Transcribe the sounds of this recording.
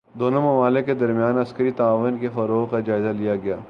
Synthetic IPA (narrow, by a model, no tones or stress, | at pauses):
d̪oːnomɐmaːlɪkːed̪ɐɾmjaːnɐskəɾit̪aːʋənkefɐɾoːkad͡ʒaːɪzalijaɡɐjaː